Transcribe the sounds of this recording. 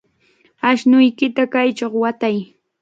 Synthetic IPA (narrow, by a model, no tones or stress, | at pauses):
aʃnʊjkɪt̪akajt͡ʃoχwat̪aj